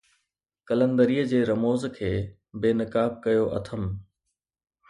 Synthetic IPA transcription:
kɐlə̃nd̪əɾiːəd͡ʑeːɾɐmoːzkʰeː | beːnɪkaːb̚kɐjoʔɐ̰t̪ʰəm

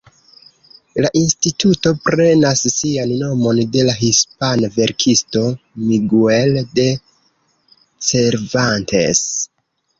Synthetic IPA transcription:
laʔinstituto̞pɾe̞nasːianno̞mo̞nde̞laɦispanave̞ɾkʰisto̞miɡuelde̞ | se̞ɾvantḛs

